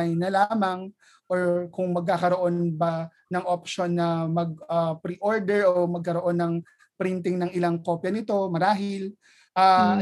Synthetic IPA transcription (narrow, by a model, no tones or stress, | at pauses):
ɐjnɐlaːmɐŋ | ʔoɹkʊŋmɐɡ̚kakɐɾo̞ʔo̞nbɐ | nɐŋʔopʃonːɐmɐɡ̚ɐpɾiʔoɹd̪ɛɹʔomɐɡ̚kɐɾo̞ʔo̞nːɐŋ | pɾint̪ɪŋnɐŋɪlaŋko̞ːpjɐnɪt̪o̞mɐɾaːɦɪl | ʔaː